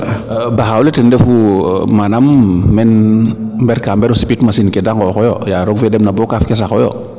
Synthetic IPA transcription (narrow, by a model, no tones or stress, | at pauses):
baxawlɛtɛndɛfumanamːɛnmbɛɾkambɛɾɔsi̥pitmasinkɛdaŋɡɔkɔjɔ̰jaɾɔɡfɛdɛmnabɔkafkɛs̬axɔjɔ̰